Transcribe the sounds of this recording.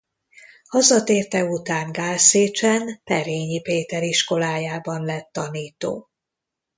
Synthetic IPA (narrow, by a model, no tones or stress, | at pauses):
hɒzɒt̪eːrt̪ɛut̪aːŋɡaːlseːt͡ʃɛnpɛɾeːɲipeːt̪ɛɾiʃko̞laːjaːbɒnlɛt̪ːɒniːt̪o̰ː